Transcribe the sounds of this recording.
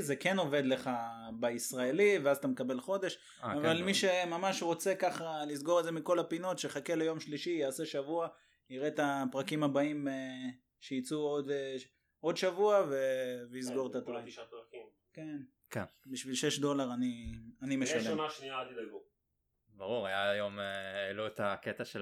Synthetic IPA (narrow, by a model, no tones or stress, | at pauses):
zekeno̞ve̞d̪le̞χabeisʁaeliveazat̪amekabe̞lχo̞d̪e̞ʃ | avalmiʃemamaʃʁo̞t͡se̞kaχalizɡo̞ʁezemiko̞lapino̞tʃeχakelejo̞mʃliʃijaːse̞ʃavua | iʁet̪apʁakimabaime | ʃeit͡suod̪ | o̞dʃavuaveveizɡo̞ʁt̪at̪aik | ken | kenbiʃvilʃeʃdo̞laʁanianimeʃalleaniat̪u | baʁuʁajajomeeluet̪aket̪aʃe